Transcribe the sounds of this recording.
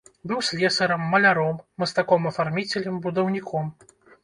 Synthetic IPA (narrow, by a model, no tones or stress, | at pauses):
bɨwsʲlʲɛsɐɾɐmːɐlʲaɾɔmːɨst̪akɔmɐfarmʲit͡sʲɛlʲɨmbud̪ɐwnʲikʰɔm